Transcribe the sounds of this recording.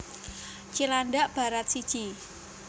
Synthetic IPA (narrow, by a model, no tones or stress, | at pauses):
t͡ʃilanɖaʔb̥a̤ɾat̪̚sid̥ʒ̥i